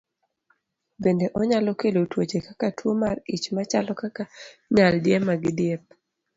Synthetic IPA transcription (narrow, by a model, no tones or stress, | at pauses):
bendeʔɔɲalɔkelotwot͡ʃekakatwomarit͡ʃmat͡ʃalɔkakaɲaldɪjemaɡɪdɪjɛp̚